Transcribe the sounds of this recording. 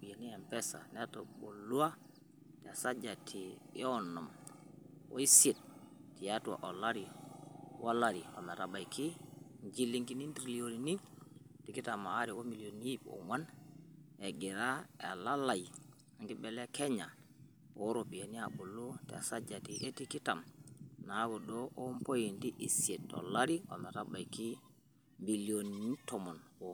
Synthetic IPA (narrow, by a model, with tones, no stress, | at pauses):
bi˨je˨ni˦ɛ˨mpɛ˦sa̰˨nɛ˦to˨ɓo˨lu˦a˦ | tɛ˨a˨sa˦d͡ʒa˨tʰḭː˨˦ɔ˦nɔ˨m | o̰˦i˦si˦˨t̚ | ti˨a˦ta̰˨ʔo˨la˦ɾi˨wʔa˦la˦˨ɾi˨o̰˨mɛ˨ɾa˨ɓa˨jkʰi˦ | ɲd͡ʒi˦li˦ŋɡi˦ni˦n˦dɾi˨li˦o˨ɾi˨ni˦ | ti˨ki˦ta˨maː˨˦ɾi˨wo˦mi˨li˨o˨ni˦po̰˨ŋwa˦n | e˨ɡi˨ɾa˦ḛ˨la˦la˨j | a˨ŋɡi˦bɛ˨lɛ˦kʰɛ˦ɲa˨ | o˦ɾo˨pi˨e˨ni˦a˨ɓu˨lu˦tɛ̰˨sa˦d͡ʒa˨ti˨ʔe˦ti˦ki˦ta˨mna˨˦ɡo˨ɗo˦ʔo˦mpo˦ji˨ndi˦ʔi˨si˨e˨to̰˨la˦ɾi˦o̰˨mɛ˨ɾa˦ba˨jki˦ | mbi˨li˨o˨nini˦tɔ˨mo˨nwo˨